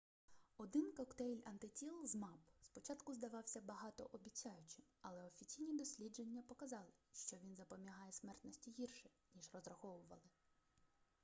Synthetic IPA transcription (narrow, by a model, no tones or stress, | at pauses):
ɔd̪ɪnkɔkt̪ɛlʲɐnt̪ɪtʲilˠzmɑpspɔt͡ʃɑt̪kʊzd̪ɐʋɑwsʲɐbɐɦɑt̪ɔ̰ʔɔbʲit͡sʲːajʊt͡ʃɪmɐlˠɛɔfʲit͡sʲijnʲid̪ɔsʲlʲid͡ʒenʲːɐpɔkɐzɑlˠɪʃt͡ʃɔʋʲinzɐpɔmʲiɦɑjɛsmɛrt̪nɔsʲtʲiɦirʃɛ | nʲiʒrɔzrɐxɔʋʊʋɐlˠɪ